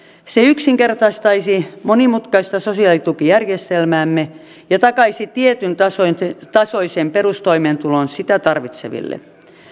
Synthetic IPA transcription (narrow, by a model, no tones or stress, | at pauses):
seyksiŋkert̪ɑst̪ɑisimonimut̪kɑist̪ɑsosiɑlit̪ukijærjest̪elmæːmːe | jɑt̪ɑkɑisit̪iet̪ynɑsot̪ɑsoisemperust̪oimeːnt̪ulonsit̪æt̪ɑrʋit̪sḛʋḭlːḛ